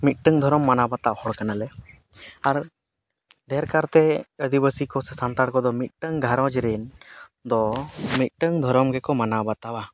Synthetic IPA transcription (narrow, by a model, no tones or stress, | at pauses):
mit̪̚ˀʈəŋd̪ʱɔɾɔmːanabat̪aʔhɔɽkanalɛ | aɾ | ɖʱɛɾkaɾt̪ɛəd̪ibəsikɔsɛsant̪aɽkɔd̪ɔmit̪̚ʈəŋɡʱaɾɔ̃d͡ʒɾɛnd̪ɔmit̪̚ʈəŋd̪ʱɔɾɔmɡɛkɔmanabat̪awa